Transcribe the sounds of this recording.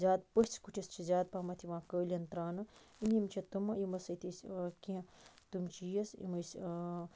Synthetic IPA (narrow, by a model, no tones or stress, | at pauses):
zʲaːd̪̚pəsʲt͡sʰkuʈʰist͡ʃʰizʲaːd̪̚paːmɐt̪ʰiʋãːkəːlʲɐnt̪ɾaːnɐ | imʲjimt͡ʃʰit̪umɐjimɐsɐt̪ʰiskiɐ̃t̪umt͡ʃijɐsḭmɐsʲ